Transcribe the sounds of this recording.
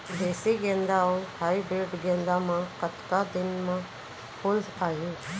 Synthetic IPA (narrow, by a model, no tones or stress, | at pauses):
b̪eːsiɡẽnd̪aohaːibeːɖɡẽːnd̪amãkət̪kad̪ɪnmã | pʰʊlaːjuː